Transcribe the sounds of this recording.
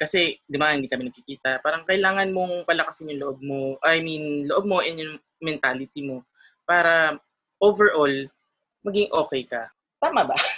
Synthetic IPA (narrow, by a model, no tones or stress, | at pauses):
kɐsɛd̪ʊmahɪnd̪iːkɐmɪnɐɡkikiːt̪ɐpaːɾɐŋkɐʔɪlaːŋɐnmo̞ŋpɐlɐkɐsɪnjʊŋloʔob̚moʔɐjminnloʔo̞b̚mo̞ʔɛnjʊŋ | mɛnt̪aːlɪt̪imo̞ | paːɾɐ | ʔovɛɹʔol | mɐɡɪŋʔo̞ːkɛjkɐ | t̪aːmɐbɐ